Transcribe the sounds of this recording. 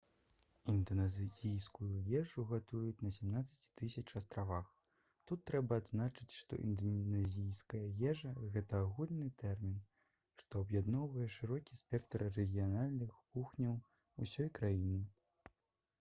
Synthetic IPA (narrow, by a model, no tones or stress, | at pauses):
ind̪ɐnazzʲijskujujɛʐuɣat̪ujut͡sʲnɐsʲamnat̪sɐt͡sʲi̥t̪ɨsʲɐt͡ʂast̪ɾavax | t̪ut̪ːɾɛbɐːd̪znat͡ʂɨt͡sʲʂt̪ɔ̰ʔḭnd̪ɐnʲazʲijskɐjɐjɛʐɐɣɛt̪ɐːɣulʲnɨt̪ɛrmʲin | ʂt̪ɔɐbjad̪nɔwvɐjɛʂɨɾɔkʲisʲpʲɛkt̪ɐrːɛɣʲijanalʲnɨxkuxnʲɐw | ṵsʲɔjkɾajinɨ